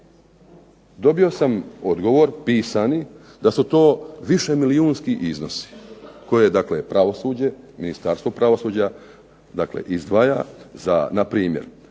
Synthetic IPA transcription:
d̪o̞bio̞samo̞d̪ɡo̞ʋo̞ɾpiːsani | d̪asut̪o̞ːʋiʃe̞miliuːnskiʔizno̞si̥ko̞jed̪akle̞pɾaʋo̞suːd͡ʑe̞minist̪aːɾst̪ʋo̞pɾaʋosuːd͡ʑa | d̪aklḛʔizd̪ʋajaza̰napɾiːmjeɾ

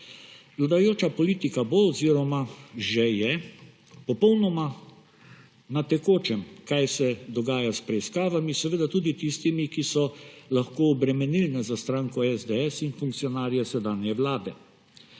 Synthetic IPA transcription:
vlad̪ajoːt͡ʃapɔliːt̪ikaboːziɾɔmaʒɛjɛ | pɔpɔwnɔma | nat̪ɛkoːt͡ʃɛmkajsɛd̪ɔɡaːjaspɾɛiskaːʋamisɛʋeːd̪at̪uːd̪it̪ist̪imikisɔlaxkoːbɾɛmɛnilnɛzast̪ɾaːŋkɔɛzd̪ɛɛsinfuŋk̚tsijɔnaːɾjɛsɛd̪aːnjɛʋlaːd̪ɛ

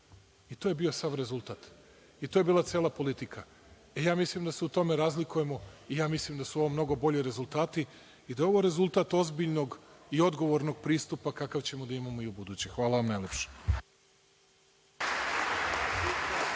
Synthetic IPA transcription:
it̪oje̞bio̞saʋɾe̞zulˠt̪aːt̪ | it̪ojebiːlˠat̪sʲjeːlˠapo̞lit̪ika | ejaːmislimd̪aseut̪o̞me̞ɾaːzlikuje̞mo̞ijaːmislimd̪asuoʋomno̞ɡo̞bo̞ʎiɾe̞zulˠt̪aːt̪iː | d̪ajeo̞ʋoɾe̞zulˠt̪aːt̪ozbiʎno̞ɡio̞d̪ɡo̞ʋo̞ɾnoɡ̚pɾiːst̪upakakaʋt͡ɕe̞mod̪aimamo̞iubud̪uːt͡ɕexʋaːlˠaʋamnajlʲepʃe̥

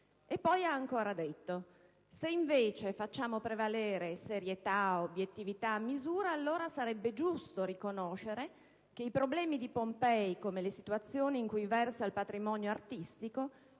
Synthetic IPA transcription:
epːɔjaːŋkoːɾad̪et̪ːo | seiɱveːt͡ʃefat͡ʃːaːmopɾevaleːɾeseɾjet̪aobjet̪ːivit̪amːizuːɾaːlːoːɾasaɾɛbːed͡ʒust̪oɾikonoʃeɾe | k̟eipɾoblɛːmid̪ipompɛjkomelesit̪uat̪sːjoːniːŋkujvɛrsailpat̪ɾimɔnjoart̪ist̪iko

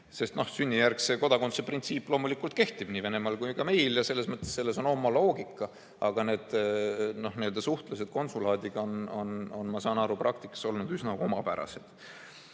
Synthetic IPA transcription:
se̞st̪no̞hsynʲːijærkse̞ko̞d̪ɑko̞nt̪seprint̪siːpːlo̞ːmulikːˑult̪̚ke̞ht̪ib̥niːve̞ne̞mɑlkujkɑme̞jljɑse̞lːe̞smɤt̪ˑːesse̞lːe̞so̞no̞mːɑlo̞ːɡikːˑɑ | ɑɡ̥ɑne̞ːd̪̥no̞hniːø̞ld̪̥ɑsuht̪lɑse̞d̪̥̚ko̞nsulɑːd̪iɡ̥ɑono̞no̞nmɑsɑːnɑɾuprʔɑk̚t̪ikːˑɑ̥so̞lnud̪ysnɑomɑpæɾɑ̰se̞d̪̥

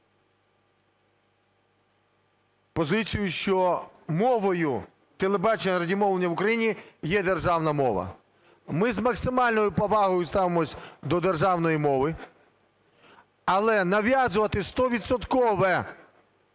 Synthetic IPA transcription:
pɔzɪt͡sʲijʊʃt͡ʃɔmɔʋɔjʊ | t̪elˠebɑt͡ʃenʲɐɾɐdʲimɔwlenʲːɐʋʊkɾɐjinʲijɛd̪erʒɑwnɐmɔʋɐ̰ | mɪzmɐksɪmɑlʲnɔjʊpɔʋɑɦɔjʊst̪ɑʋemɔsʲd̪ɔd̪erʒɑwnɔjimɔʋɪ | ɐlˠɛnɐʋʲjazʊʋɐt̪ɪst̪ɔʋʲid̪sɔt̪kɔʋɛ

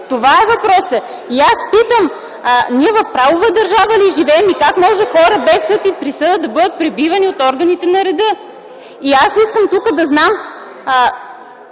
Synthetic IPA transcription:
t̪ovaɛvɐpɾɔsə | iaspit̪əm | niɛvɐfpɾavovəd̪ɐɾʒavəliʒivɛːmikakmɔʒɛxɔɾəbɛsːɤt̪ipɾisɤd̪əd̪ɐbɤd̪ət̪̚pɾɛbivɐniot̪ɔɾɡɐnit̪ɛnɐɾɛd̪ɤ | iasiskəmt̪ukəd̪ɐznam

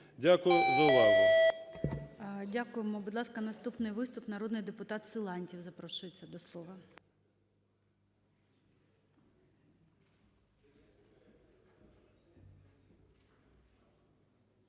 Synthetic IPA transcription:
dʲakʊjʊzɐʊʋɑzʊ | dʲakʊjemɔbʊd̪lˠɑskɐnɐst̪upnɪjʋɪst̪ʊpnɐɾɔd̪nɪjd̪epʊt̪ɑt̪sɨlˠɑnʲtʲiwzɐpɾɔʃʊjet͡sʲːɐd̪ɔslˠɔʋɐ

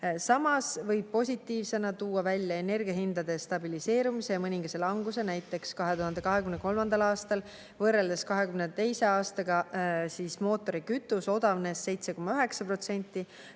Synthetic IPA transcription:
sɑmɑsvɤjb̥̚po̞sʲit̪ːˑiːvse̞nɑt̪uːɑvælʲjɑe̞ne̞rɡiɑɦind̪̥ɑd̪e̞st̪ɑbilise̞ːɾumise̞jɑmɤnʲiŋɡ̥ɑse̞lɑŋɡuse̞næjt̪ːˑe̞kskɑɦe̞t̪uhɦɑnd̪ekɑɦekymne̞ko̞lmɑnd̪̥ɑlɑːst̪ɑl | vɤre̞ld̪eskɑɦe̞kymnet̪e̞jse̞ɑːst̪ɑɡɑsiːsmo̞ːt̪ːˑo̞ɾikyt̪ːˑuso̞d̪ɑvne̞sːe̞jt̪se̞ko̞mːɑøɦe̞ksɑpro̞t̪se̞nʲt̪ːˑi

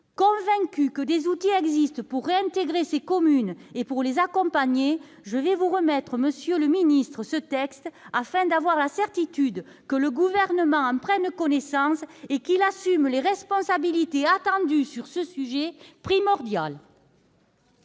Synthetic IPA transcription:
kɔ̃vɛ̃kykəd̪ezut̪iɛɡzist̪əpuʁːeɛ̃nt̪eɡʁesekɔmynepuʁlezakɔ̃paɲe | ʒəvɛvuʁəmɛt̪χəməsjøləminist̪χəsət̪ɛkst̪afɛ̃d̪avwaʁlasɛʁt̪it̪yd̪ | kələɡuvɛʁnəmɑ̃ɑ̃pχɛnkɔnesɑ̃sekilasymleʁɛspɔ̃sabilit̪eat̪ɑ̃d̪ysyʁsəsyʒepχimɔʁd̪jal

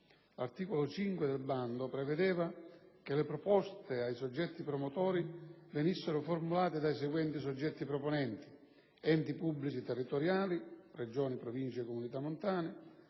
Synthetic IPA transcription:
lart̪iːkolʊt͡ʃiŋkwɪd̪elband̪ʊpɾɛvɛd̪ɛːvakɪlɪpɾɔpɔst̪eajsɔd͡ʒːɛt̪ːipɾɔmot̪ɔːɾivenisːeɾʊformulaːt̪ɪd̪ajs̬ɛɡwɛnt̪is̬ɔd͡ʒːɛt̪ːipɾɔpɔnɛnt̪i̥ | ɛnt̪ipubːlit͡ʃit̪ɛrːit̪ɔɾjaːlired͡ʒɔːnipɾɔvint͡ʃɛkːomunit̪amːʊnt̪aːnɪ

